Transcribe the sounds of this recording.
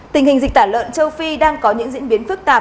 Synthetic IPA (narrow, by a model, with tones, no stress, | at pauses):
t̪ï˨˩ŋ̟hï˨˩ŋ̟zi˨˩k̚t̪aː˧˩lwə̰˧˨nt͡ɕə˧wfi˧ɗaː˧ŋkɔ˨˦ɲɨ̰˧˥ŋzḭ˧˥ənɓi˨˦ənfɨ˦˥k̚t̪aː˨˩